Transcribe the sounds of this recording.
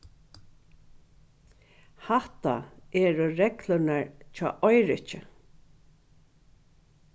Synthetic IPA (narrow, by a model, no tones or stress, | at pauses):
haht̪a̰ɛːɾʊɾɛklʊnaɹt͡ʃʰɔ̰ːʔɔjɾɪht͡ʃɪ̰